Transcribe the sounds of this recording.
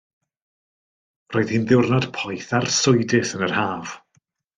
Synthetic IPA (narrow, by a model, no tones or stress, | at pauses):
roːɨð̥hɨnðɪwrnɔd̥pʰɔjθarsʊjdɪθənərhaːv̥